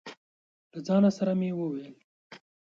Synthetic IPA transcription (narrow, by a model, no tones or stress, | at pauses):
lad͡zɑːnasɐɾamiwəweːl